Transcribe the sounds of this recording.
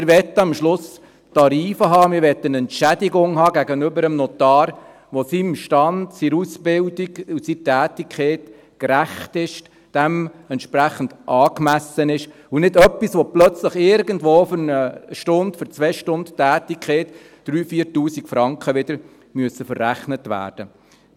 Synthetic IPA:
ɪɾʋɛt̪ːəɑmʃlʊs | tɑɾiːfəɦɑːmɪɾʋɛt̪ːənɛnʃædiɡʊŋɦɑːɡæɡənʏbəɾəmnɔt̪ɑːɾ | ʋɔsimʃtɑndsiɾusbɪldiɡusiːtæːtikʰχeːt | kɾæχtɪʃ | d̥æmɛntʃpɾæχən̩d̥ʔɑːkmæsənɪʃ | unɪdœpːisʋɔplœt͡sləχɪɾɡəndʋoːfyɾnəʃtʊnd̥fyɾt͡sʋɛʃtʊnd̥tæːtikχeːt | d̥ɾyːfiːɾtuːsikfɾɑŋkχəʋɪd̥̪əɾ | myəsəfərːæχnətʋæ̰ːɾd̥ə

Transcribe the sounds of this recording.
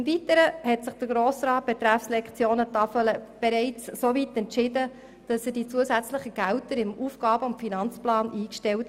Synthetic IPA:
ɪmvitəɾəhɛtsɪχd̥əɡɾoːsɾɑːt̚b̥ɛt̪ɾæfslɛkt͡sjoːnətɑfələb̥ɛɾɛɪt͡ssovitɛntt͡ʃɪdə | d̥ɑsəd̥it͡suəzæt͡slɪχəɡ̥æwtəɾɪmuːfɡ̥ɑːbəʊntfinɑnt͡splɑːnʔiːkʃtɛlt

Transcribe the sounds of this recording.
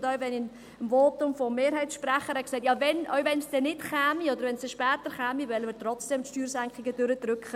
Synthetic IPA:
dœɥvɛnɪn | əmvolp̚tʊmfɔmːeːɾɦɛɪtʃprɛχəɾɛksɛɪt̬jɑːvɛnʔœ̰ɥvɛnsd̥ɛnɪtχɛːmiɔd̪əɾvɛnsɛʃpɛːtəɾχɛːmivɛləməɾt̪rɔt͡sd̥ɛmtʃtyːɾsæŋkχɪɡəd̥øɾəd̥ɾʏkχə

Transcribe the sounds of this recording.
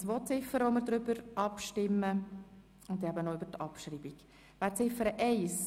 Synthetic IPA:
sʋɔt͡sɪfːəɾəʋɔmɪɾd̪ɾʏbəɾɑpʃtɪmːə | ʊnd̪ɛbənoybəɾtɑpʃɾiːbik | ʋæːt͡sɪfəɾəʔɛɪs

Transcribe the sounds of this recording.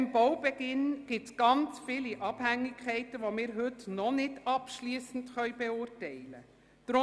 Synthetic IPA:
mb̥ɔwbɛɡ̥ɪnɡ̥ɪtsɡ̥ɑnt͡sfiliʔɑb̥hæŋːikʰɛɪtəʋomɪːɾɦɵtnɔnɪdɑpʃliːsən̩dχœʏbeʊːrtɛɪlə̰ | d̥ɾʊ

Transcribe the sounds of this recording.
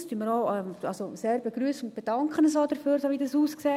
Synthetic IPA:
styənməɾɔːɛmɑlsoseːɾbeɡɾyːsənʊnt̚b̥ed̥ɑŋkχənəsɔːd̥əɾfyːɾsoːʋidɑsuːskseː

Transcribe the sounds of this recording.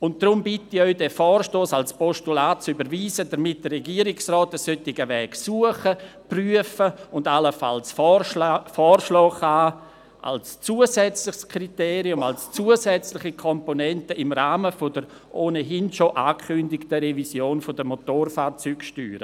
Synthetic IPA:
ʊnt̚d̥rʊmbɪtːiœʏdɛfɔːrʃtoːsalspɔʃtulaːt̚t͡sybəɾviːzədəɾmɪt̚d̥ərrɛɡiəɾɪksrɔːt̚ːɛssøtɪɡəvɛːksuəχəpryəfəʊndaləfa̰lsf | fɔːrʃlɔːχaː | ʔa̰lst͡suːəsɛt͡slɪχskʰriteːɾiʊmalst͡suəzɛt͡slɪχikʰɔmponɛntəɪmraːməfodəɾ | ʔoːnəɦɪnʃoʔaːkʰʏndɪktəɾɛvisjoːnfodəmotoːrfaːɾt͡syːkʃty̰ːɾə̰

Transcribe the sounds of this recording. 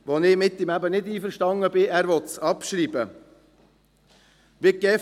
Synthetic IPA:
ʋonɪmɪt̪ːɪmæbənɪdiːfəɾʃtɑŋəbɪæːɾʋɔt̪sɑpʃɾiːbə | ʋikɛ

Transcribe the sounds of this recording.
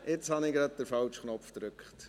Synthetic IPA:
ʔɪt͡shɑnɪɡɾɑt̚d̥̪əɾfɑlt͡ʃχnɔpfd̪ɾʉkχt

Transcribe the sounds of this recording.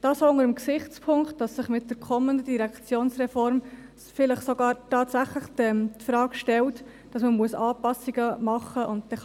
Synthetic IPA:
d̥ɑːsoʊŋəɾəmksɪχt͡spʰʊŋkt̚d̥ɑsːɪχmɪt̚d̥əɾkʰɔmːəndəd̥iɾækt͡sjoːnsɾɛfɔɾm | fɪləχsoɡɑːɾtɑːtsæχləχtɛmtfɾɑːkʃtɛlt | d̥ɑsməmuəsɑːpɑsiɡəmɑχːəʔʊnt̚tɛ

